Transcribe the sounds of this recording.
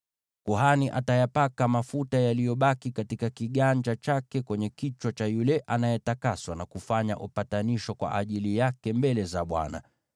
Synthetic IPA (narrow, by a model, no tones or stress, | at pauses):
kuɦaniʔatajapakamafutajalijɔɓakikatikakiɠand͡ʒat͡ʃakɛkwɛɲɛkit͡ʃwat͡ʃajulɛʔanajɛtakaswanakufaɲa̰ʔupataniʃɔkwa̰ʔaʄilijakɛmbɛlɛzaɓwa̰na̰